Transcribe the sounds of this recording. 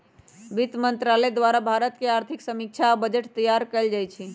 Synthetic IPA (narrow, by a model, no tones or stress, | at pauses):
bit̪mənt̪ɾaled̪ʋaɾabʱaɾət̪keaɾt̪ʰiksəmik̚t͡ʃʰaːbəd͡ʒəʈt̪əjaɾkəld͡ʒajt͡ʃʰi